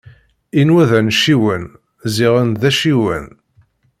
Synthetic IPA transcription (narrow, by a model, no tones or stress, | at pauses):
inwæðænʃiwən | ziʁənðæʃiwə̰n